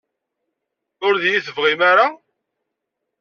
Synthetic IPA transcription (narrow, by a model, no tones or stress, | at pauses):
ʊɾðjiθəvʁimaɾa